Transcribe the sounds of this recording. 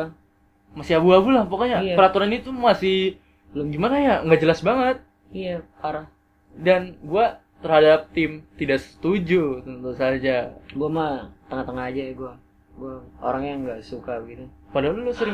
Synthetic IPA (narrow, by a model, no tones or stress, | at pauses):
masɪabuabulahpakaɲapəɾat̪uɾanit̪umasɪh | əlʊɡimanajaŋɡaʔd͡ʒəlasbaŋət̪̚ | ijapaɾa | danɡua | t̪ərhadap̚t̪ɪmt̪idaʔsə̥t̪ud͡ʒut̪ənt̪usad͡ʒaɡuamat̪əŋaht̪əŋahad͡ʒajaɡua | ɡuao̰ɾaŋjaŋɡaʔsukabəɡit̪upadaululʊsəɾɪ